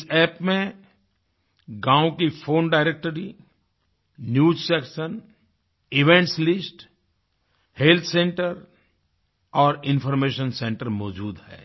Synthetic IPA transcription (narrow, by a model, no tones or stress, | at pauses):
sɛːpmẽ | ɡãːõkifoːnɖaːɪɾek̚ʈəɾi | njuːd͡ʒsɛːkʃən | ɪʋẽɳʈslɪsʈ | helt̪ʰsẽːɳʈəɾ | ɔːɾɪ̃nfɔːɾmeːʃənsẽːɳʈəɾmɔːd͡ʒuːd̪hɛ̰ː